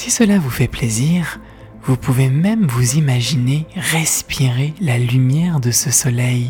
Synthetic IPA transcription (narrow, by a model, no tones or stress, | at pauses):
sisəlavufɛpleziʁ | vupuvemɛmvuzimaʒineʁɛspʰiʁelalymjɛʁd̪əsəsɔlɛj